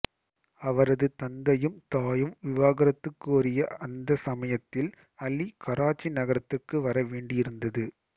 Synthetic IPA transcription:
ɐʋɐɾɐðɯt̪ɐnd̪ɐjɯmt̪aːjɯmʋɪʋaːɣɐɾɐt̪ːɯkːɯɔɾɪjɐɐnd̪ɐsɐmɐjɐt̪ːɪl | ɐlːikɐɾaːt͡ʃːinɐɣɐɾɐt̪ːɯrkːɯʋɐɾɐʋeːɳɖɪjɪɾɯnd̪ɐðɯ

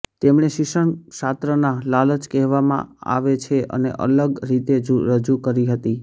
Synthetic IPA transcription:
t̪emɳ̃eʃɪʃəɳsat̪ɾənalalət͡ʃkɛɦʋamã̰a̰ʋet͡ʃʰeʔə̰nḛʔə̰ləɡɾit̪ed͡ʒuɾəd͡ʒukəɾiɦət̪i

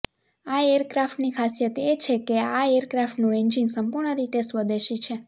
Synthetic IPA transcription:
aejəɾkɾafʈnikʰasjət̪et͡ʃʰekeaeəɾkɾafʈnũend͡ʒinsəmpuɾɳəɾit̪esʋəd̪eʃit͡ʃʰe

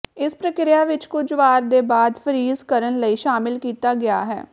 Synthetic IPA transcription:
ɪspɾəkɪɾɪjaːʋɪt͡ʃkʊd͡ʒʋaːɾd̪eːbaːd̪pʰəɾiːzkəɾənləiːʃaːmɪlkiːt̪aːɡɪja̰ːɦɛ̰ː

